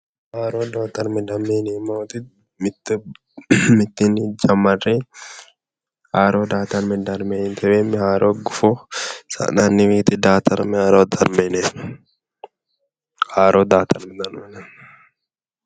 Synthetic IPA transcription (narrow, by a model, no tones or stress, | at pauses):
haːɾoːd̪aːt̪ɐɾmɪd̪ɐmeːnimoːt̪ɪ | mɪt̪ːɪ | mɪt̪ːɪnɪd͡ʒɐmːɐre | haːɾoːd̪aːt̪ɐɾmɪd̪ɐɾmeːnt̪ɛweːmɪhaːɾoːɡʊfosɐ̰nanːɪmiːt̪ɪd̪aːt̪ɐɾmɪhaːɾoːd̪ɐɾmeːne | haːɾoːd̪aːt̪ɐɾmɛd̪ɐɾmenɛ